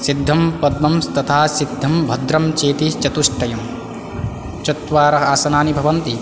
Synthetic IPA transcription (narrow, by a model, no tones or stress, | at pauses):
sid̪ʱːɐmpɐd̪̚mɐmst̪ɐt̪ʰaːsid̪ʱːɐmbʱɐd̪ɾɐmt͡ʃeːt̪it͡ʃɐt̪uʂʈʰɐjɐm | t͡ʃɐt̪ʋaːɾɐɦaːsɐnaːnibʱɐʋɐnt̪i